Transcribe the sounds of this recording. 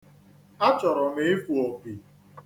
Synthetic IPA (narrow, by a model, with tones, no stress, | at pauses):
a˦t͡ʃɔ˨ɾɔ˨mɪ˦fu˨o˨k͡pi˨